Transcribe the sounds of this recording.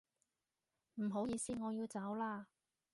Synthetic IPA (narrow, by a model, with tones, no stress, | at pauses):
m̩˨˩ɦo˨˥wjiː˨˧siː˥ŋɔː˨˧jiː˧wt͡sɐ˨˥wlaː˥